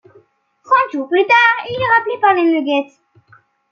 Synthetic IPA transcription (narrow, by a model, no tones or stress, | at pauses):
t̪χɑ̃t̪ʒuːʁplyt̪aːʁilɛʁaplepaʁleməɡʲɛt̪